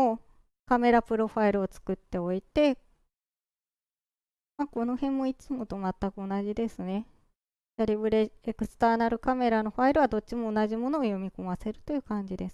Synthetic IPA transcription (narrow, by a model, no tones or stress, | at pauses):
o | kame̞ɾapɯ̟ɾo̞ɸaiɾɯ̟o̞t͡sɨ̥kɯ̟t̪ːe̞o̞it̪e̞ | mako̞no̞hẽ̞mːo̞it͡sɨmo̞t̪o̞mat̪ːakɯ̟o̞naʑid̪e̞sɨne̞ | aɾʲibɯ̟ɾeekɯ̟sɨ̥t̪aːnaɾɯ̟kame̞ɾano̞ɸaiɾɯ̟βad̪o̞t̚t͡ɕimo̞ːnaʑimo̞no̞ːjo̞mʲiko̞mase̞ɾɯ̟t̪o̞jɯ̟ːkãɲ̟d͡ʑid̪e̞s